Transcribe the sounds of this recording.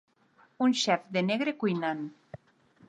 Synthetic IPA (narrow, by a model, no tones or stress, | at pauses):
unʃɛfd̪eneɣɾekujnan